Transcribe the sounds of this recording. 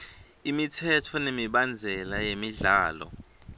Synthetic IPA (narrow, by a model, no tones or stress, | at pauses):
imitʰɛtʰɔnemiɓand͡zʱɛlajemiɮaːlɔ̰